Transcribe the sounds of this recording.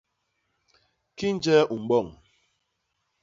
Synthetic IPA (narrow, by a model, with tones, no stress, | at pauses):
ki˦n̩˦d͡ʒɛ˦ʔu˨m̩˨ɓɔ˦˨ŋ